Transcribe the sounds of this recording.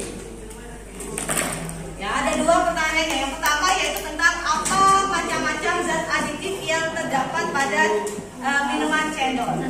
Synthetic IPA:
jaːdaduapərt̪aɲaanjajaŋpərt̪amajait̪ut̪ənt̪aŋapamat͡ʃamːat͡ʃamzat̪adit̪ɪkjaŋt̪ərdapat̪̚pada | ʔəminumant͡ʃɛndɔ

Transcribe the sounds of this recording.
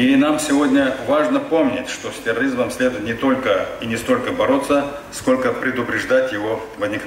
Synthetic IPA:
inamsʲɪvo̞dʲnʲəvaʐnəpo̞mnʲɪtʲʂt̪osʲtʲɪrɐɾʲizməmsʲlʲed̪ʊɪt̪nʲɪt̪o̞lʲkəinʲɪst̪o̞lʲkəbɐɾo̞t̪sːə | sko̞lʲkəpɾʲɪd̪ʊpɾʲɪʐd̪atʲjɪvo̞ | vəzʲnʲɪk

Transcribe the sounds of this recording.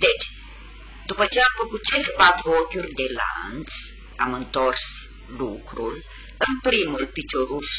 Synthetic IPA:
d̪e̞t͡ʃʲ | d̪upət͡ʃeaːmfəkut̪̚t͡ʃelepat̪ɾuokʲurʲd̪e̞la̰nt̪s | amɨnt̪o̞rs | lukɾul | ɨnpɾimulpit͡ʃoɾuʃ

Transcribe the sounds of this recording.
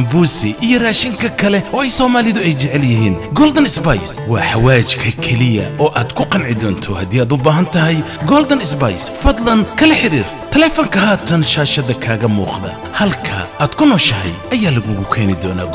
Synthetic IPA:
mbuːsɪʔijɔraːʃɪŋkʰɐkʰɐlɛɔːɛjsɔːmaːlɪðʊɛjt͡ʃɛʕɛljɪɦiːnɡɔːld̪ɐnɪsbɐjswɑːħawaːt͡ʃkʰɐkʰɛlɪjɐ̰ʔɔːʔaːd̪kʰʊqɑnʕɪd̪ɔːnt̪ʰɔhɐd̪iːaːd̪ʊbaːɦɐnt̪ʰɐɦɛj | ɡɔːld̪ɐnɪsbajsfɐd̪lɐnkʰɐlɐħɪɾḭːr | t̪ʰɛlɛːfɔŋkʰɐɦaːt̪ʰɐnʃaːʃɐðɐkʰaːɣɐmṵːqðɐ̰ː | hɐlkʰɐ̰aːd̪̥kʰʊnɔːʃɐɦɛ̰jʔɐjaːlɐɣʊɣʊkʰɛːnɪd̪ɔːna̰ːɡ

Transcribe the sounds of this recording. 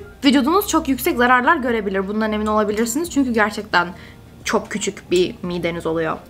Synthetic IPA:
vid̪ud̪unuz̥t͡ʃʰo̞kjycsɛczaɾaɾlˠaɾɟø̞ɾe̞bilʲiɾbunane̞mino̞lˠabilʲiɾsiniz̥t͡ʃʰyɲcyɟæɾt͡ʃʰɛc̚t̪ʰæn | t͡ʃʰokcʰːyt͡ʃʰycbimiːd̪e̞nizo̞lˠujo̞̰

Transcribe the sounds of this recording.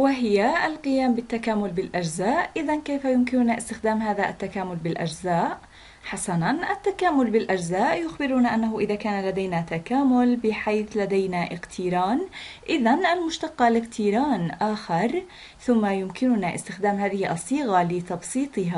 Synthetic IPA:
wɪɦɪjaʔlqɪjaːmbɪt̪ːakaːmʊlbɪlʔad͡ʒzaːʔʔɪðankejfajʊmkɪnʊnaʔɪst̪ɪxd̪aːmɦaːðaʔa̰t̪ːakaːmʊlbɪlʔa̰d͡ʒzaːʔ | ħasananʔat̪ːakaːmʊlbɪlʔad͡ʒzaːʔjʊxbɪɾuːnaʔanːaɦʊʔɪðaːkaːnalad̪ajnat̪akaːmʊlbɪħajθlad̪ajnaʔɪqt̪ʰiɾaːnʔɪðanʔalmʊʃt̪ɑqːɑlɪqt̪ʰiːɾaːnʔaːxɑɾˤ | θʊmːajʊmkɪnʊnaʔɪ̰st̪ɪxd̪aːmɦaːðɪhɪʔɑsˤːiːɣalɪt̪ɑbsˤiːt̪ˤɨɦa

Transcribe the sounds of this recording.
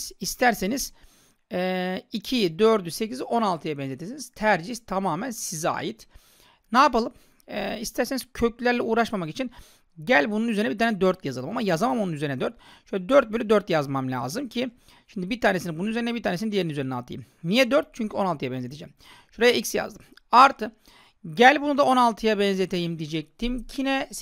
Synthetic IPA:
zist̪ʰæɾseniz̥ | ɛicʰid̪øɾd̪yse̞cʰizo̞nalˠt̪ʰɯjabɛnzʲet̪ʰesiniz̥t̪ʰæɾd͡ʒiçt̪ʰamaːmænsiza̰ːjit̪ | naːpalˠɯm | ɛist̪ʰæɾseniz̥cʰøclʲæɾlʲɛuːɾaʃmamakit͡ʃʰin | ɟælʲbununyzeɾnɛbit̪aːnɛd̪øɾt̪jazalˠɯmamajazamamounyze̞ɾinɛd̪øɾt̪ʃyɛd̪øɾt̪̚bølʲyd̪øɾt̪jazmamlʲa̰ːzɯmcʰi | ʃimd̪ibit̪ʰaːnesinibununyzeɾinɛbiɾt̪aːnesinid̪jeɾinyzeɾinɛalˠt̪ʰa̰jim | nijɛd̪øɾt̪̚t͡ʃʰyɲcʰyo̞nalˠt̪ʰɯjabɛnzet̪ed͡ʒɛ̰ːm | ʃuɾajaicsja̰zd̪ɯm | aɾt̪ʰɯ | ɟælʲbunud̪ao̞nalˠt̪ʰɯjabɛnzet̪ʰejimd̪id͡ʒɛc̚t̪ʰimcʰinɛ

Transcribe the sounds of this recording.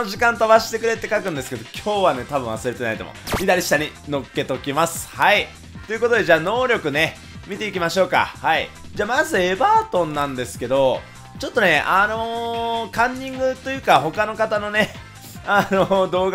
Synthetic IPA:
oʑikãnt̪aβaɕi̥t̪e̞kɯ̟ɾe̞t̪ːe̞kakɯ̟̃nd̪e̞sɨ̥ke̞d̪okʲʰo̞ːβane̞t̪abɯ̟̃ɰ̃βasɨɾe̞t̪e̞nait̪o̰mo̰çid̪aɾʲiɕi̥t̪aɲ̟ino̞kːe̞t̪o̞kʲimasɨ̥hai | t̪o̞jɯ̟ko̞t̪o̞d̪e̞ʑaːno̞ːɾʲo̞kɯ̟ne̞ | mʲit̪e̞ikʲimaɕo̞ːka̰hai | d͡ʑaːmazɨe̞baːt̪õ̞nːãnd̪e̞sɨ̥ke̞d̪o̞ | t͡ɕo̞t̪ːo̞ne̞ʔano̞kãɲ̟ːĩŋɡɯ̟t̪ːo̞jɯ̟ːkaɦo̞kanokat̪ano̞ne̞ | ano̞d̪o̞ːɡ

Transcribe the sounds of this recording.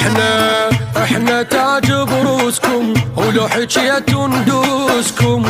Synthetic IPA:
ħnaʔɪħnat̪aʕd͡ʒɪbɾuːskʊmlʊħɪt͡ʃjat̪ʊnd̪uskʊm

